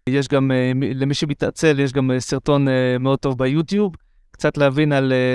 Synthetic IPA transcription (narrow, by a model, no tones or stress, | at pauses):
jeʃ̬ɡamilemiʃemita̰t͡se̞ljeʃ̬ɡamesiʁt̪o̞nmeod̚t̪o̞vbejutjub | kt͡sat̪leavinale